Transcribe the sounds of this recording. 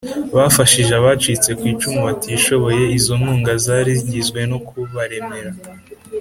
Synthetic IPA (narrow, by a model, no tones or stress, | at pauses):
βafaʃiʒaβat͡ʃit͡se̞kwiːt͡ʃumuβatiʃo̞βo̞je̞izomuːŋɡazaːɾizɟizɡwe̞nokuβaɾe̞me̞ɾa